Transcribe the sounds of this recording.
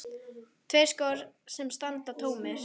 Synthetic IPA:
t̪ʰveːj̥skɔɾsɛmst̪ant̪at̪ʰoːwmɪɾ̥

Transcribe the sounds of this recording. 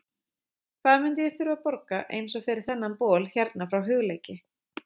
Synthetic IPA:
kʰvaːðmʏnt̪ɪjɛθʏɾvapɔɾkaʔḛːjnsɔɣfɪɾɪɾ̥θɛnːanpɔːlçɛɾt̪nafɾawɦʏɣleːjcɪ

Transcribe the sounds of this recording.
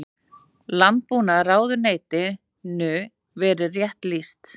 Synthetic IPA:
lant̪̚puːnaɾaːwðʏɾneːjt̪ɪ | nʏ | vɛːɾɪrjɛht̪list̪

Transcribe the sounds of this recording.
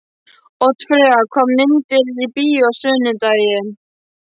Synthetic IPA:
ɔɣt̪ʰvœːakʰɔmːɪnt̪ɪɾɾipiːɔɣsʏːnʏt̪ajɪn

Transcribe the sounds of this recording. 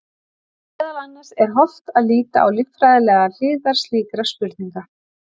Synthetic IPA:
ɛðalanːḁsɛɾ̥ɦɔft̪aðliːt̪a̰ʔa̰wlɪtfɾajðɪlɛːɣal̥ɪːðaɾ̥sliːkɾaspʏɾðniŋka

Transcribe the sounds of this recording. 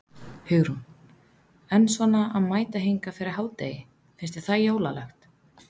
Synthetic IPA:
hʏɣɾun | ɛnːsvɔnaʔaðmaːjt̪aɦijŋkafɪɾɪɾhaːwt̪ḛːjɪ | fɪnst̪ɛɾ̥θajoːwla̰lɛxt̪

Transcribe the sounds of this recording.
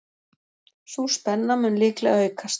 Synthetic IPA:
suspɛnːamʏnlɪːklɛ̰ɣaʏkʰas

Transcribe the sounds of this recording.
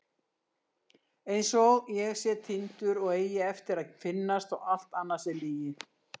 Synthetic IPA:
ejnsɔɣjɛɣsjɛt̪ʰɪnt̪ʏɾɔɣeːjɪɛft̪ɪɾaðfɪnːast̪ɔɣal̥t̪anːasɛliːjɪ

